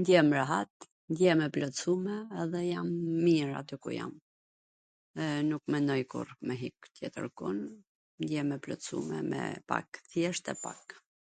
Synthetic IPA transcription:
nd̪jɛmɾaɦat̪ | nd̪jɛmɛplɔt̪sumɛːðɛjamːiɾa̰d̪əkṵja̰m | nukmɛnɔjkṵɾmɛɦik̚t̪jɛt̪ə̰ɾkun | nd̪jɛmɛplɔ̰sṵmɛ̰mɛ̰pa̰kθjɛʃt̪ɛpa̰k

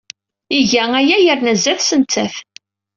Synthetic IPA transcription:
iʝææjæjəɾnæzːæθsənt͡s̪ːæθ

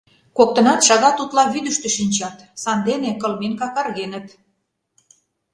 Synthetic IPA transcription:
kok̚t̪ə̆nɑt̪ʃɑɣɑt̪ut̪lɑβyd̪əʃt̪ø̆ʃinʲt͡ɕɑt̪sɑnd̪enekɤ̆lmenkɑkɑrɣenə̆t̪

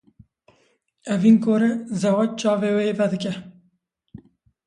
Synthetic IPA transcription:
ɛvinkoːɾezɛwɛt͡ʃɑːveːweevɛd̪ɨkɛ

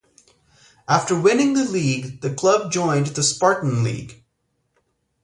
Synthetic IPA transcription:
ʔæftə˞wɪ̃nɪ̃ŋðɨliɡðɨkʰl̥ʌb̚d͡ʒɔ̃ɪ̃nðɨspɑɹʔn̩lḭɡ̥

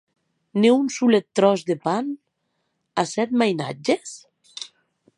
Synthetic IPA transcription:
neunsulet̪ːɾɔzd̪epan | asɛt̪̚majna̰d͡ʒes

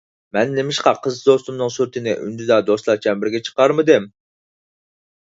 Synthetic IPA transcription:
mɛnːemɪʃqɑqʰəzd̪ost̪umnɨŋsyɾt̪ʰɪnɪ̰ʔy̰nd̪yd̪ɑd̪oslˠɑɾt͡ʃʰɛnbɪɾɡʲɛt͡ʃʰə̥qɑɾmɨd̪ɪm

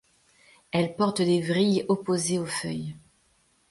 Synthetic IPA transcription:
ɛlpɔʁt̪d̪evʁijɔpozeofœj

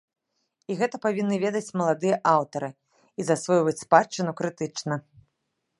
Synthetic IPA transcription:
iɣɛt̪ɐpavʲinːɨvʲɛd̪ɐt͡sʲmɐlˠad̪ɨjɐʔawt̪ɐɾɨ | izasvɔjvɐt͡sʲspat͡ʂːɨnʲukɾɨt̪ɨt͡ʂnɐ

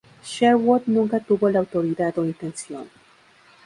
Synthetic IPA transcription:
ʃeɾwot̪nũŋkat̪uβolawt̪oɾiðaðoint̪ensjo̰n

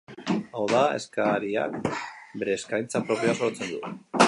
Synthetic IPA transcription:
awðae̞̰skaɾia̰kbe̞ɾeːskajnt͡sapɾo̞pio̞aso̞ɾt͡se̞nd̪u

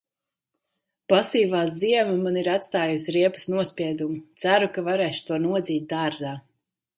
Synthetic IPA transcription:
pasiːvaːziɛmamaniɾat̪st̪aːjusʲiɾiɛpɐ̥snuɔspʲiɛd̪umut̪sæɾukavaɾɛːʃu̥t̪uɔnuɔd̪ziːt̪̚d̪aːɾzaː

